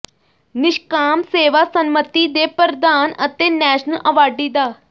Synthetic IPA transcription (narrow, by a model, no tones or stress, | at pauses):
nɪʃkaːmseːʋaːsənmət̪iːd̪eːpəɾd̪aːnət̪eːnɛːʃnəlʔəʋaːɖiːd̪aː